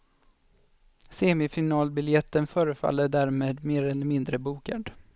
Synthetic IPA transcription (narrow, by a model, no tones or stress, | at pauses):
seːmɪfɪnɑːlbɪljɛt̪ːənfœːɾəfa̰lːəɖæɾmeːd̪meːɾɛlːəɾmɪnd̪ɾəbuːka̰d̪